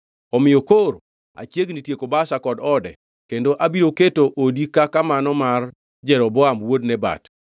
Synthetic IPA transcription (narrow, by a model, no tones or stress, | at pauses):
ɔmɪjokoɾ | a̰t͡ʃjeɡnitjekobasakɔdɔdɛ | kendoʔabiɾoketoʔodikakamanɔmar | d͡ʒɛɾɔbɔamwodnɛba̰t